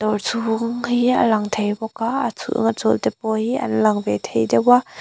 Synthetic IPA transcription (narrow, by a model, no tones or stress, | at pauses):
d̪ɔrt͡sʰuŋhiə̰lɐŋt̪ʰejbɔkaət͡sʰṵʔŋat͡sɔlt̪ɛpɔhiʔɐ̰nlɐŋvɛt̪ʰejdɛwa